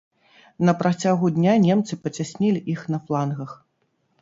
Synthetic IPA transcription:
nɐpɾat͡sʲaɣud̪ʲnʲanʲɛmt̪sɨpɐt͡sʲasʲnʲɛlʲiʔixnɐflˠanɣɐx

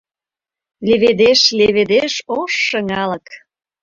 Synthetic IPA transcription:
leβed̪eʃleβed̪eʃoʃːə̆ŋɑlək

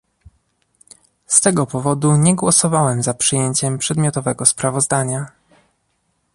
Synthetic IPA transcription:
st̪ɛɡɔpɔvɔd̪uɲɛɡwɔsɔvawɛmzapʂɘjeɲt͡ɕɛmpʂɛd̪mʲjɔt̪ɔvɛɡɔspɾavɔzd̪aɲa

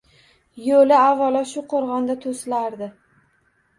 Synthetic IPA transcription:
jolɪavːalaʃʊqʰoɾʁɑnd̪at̪ʰoslaɾd̪ɪ

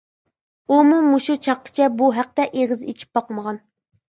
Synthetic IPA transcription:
umumuʃut͡ʃʰɑqːə̥t͡ʃʰɛbuɦæq̚t̪ɛʔeʁɨzet͡ʃʰi̥p̚bɑqməʁɑn

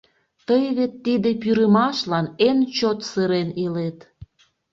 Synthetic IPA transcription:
t̪əjβet̪ːid̪epyɾəmɑʃlɑnent͡ɕot̪sɨɾenilet̪

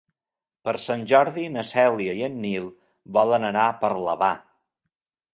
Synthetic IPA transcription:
pəɾsanʲʒɔɾðinəsɛlˠiəiənːilˠ | bɔlənənapəɾləβa

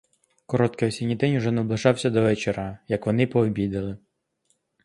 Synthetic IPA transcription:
kɔɾɔt̪kɪjɔsʲinʲid̪ɛnʲuʒɛnɛblˠɪʒɑwsʲɐd̪ɔʋɛt͡ʃeɾajɐkʋɔnɪpɔːbʲid̪elˠɪ

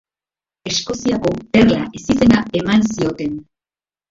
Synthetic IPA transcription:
e̞sko̞siako̞perlaʔesise̞nae̞mansio̞t̪e̞n

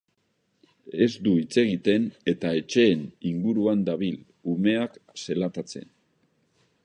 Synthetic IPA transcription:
e̞zd̪uit͡se̞ɣit̪e̞ne̞t̪ae̞t͡ʃe̞ːniŋɡuɾuand̪aβ̞il | ume̞akse̞lat̪at͡se̞̰n

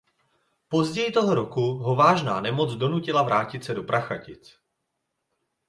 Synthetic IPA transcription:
po̞zɟɛjɪt̪o̞ɦo̞ɾo̞kuɦo̞vaːʒnaːnɛmo̞d͡zdo̞nucɪlavɾaːcɪt̪sɛdo̞pɾaxacɪt͡s

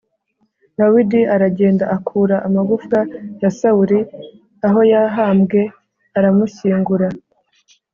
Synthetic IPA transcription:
dawidiaɾaɟe̞ːndaʔakʰuːɾaʔamaɡufkajasauɾi | aɦo̞jaɦaːmɡe̞ | aɾamusiːŋɡuɾa

